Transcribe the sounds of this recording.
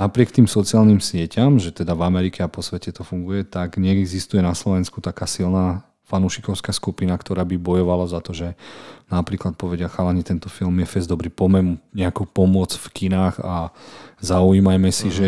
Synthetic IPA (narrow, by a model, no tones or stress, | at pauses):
napɾɪɛkt̪iːmsɔt͡siaːlnimsɪɛcamʒɛt̪ɛd̪avamɛɾikɛapɔsʋɛcɛt̪ɔfuŋɡujɛt̪aɡɲɛɡzist̪ujɛnaslɔʋɛnskut̪akaːsilnaː | fanuʃikɔʊskaːskupinakt̪ɔɾaːbibɔjɔʋalazat̪ɔʒɛnapɾiːklat̪̚pɔʋɛɟɪaxalaɲit̪ɛnt̪ɔfilmjɛfɛzd̪ɔbɾiːpɔmɛnuɲɛakuːpɔmʊɔt͡sfkinaːɣazaujiːmajmɛsiʒɛ